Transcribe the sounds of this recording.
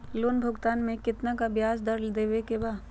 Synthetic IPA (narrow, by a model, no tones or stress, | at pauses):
loːnbʱʊɡt̪aːnmẽkɪt̪nakabjaːzd̪ɐɾld̪eːʋekebaː